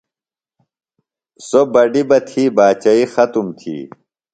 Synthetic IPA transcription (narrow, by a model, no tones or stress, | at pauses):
sobɐɖibɐt̪ʰiːbaːt͡ɕɐixɐt̪umt̪ʰḭː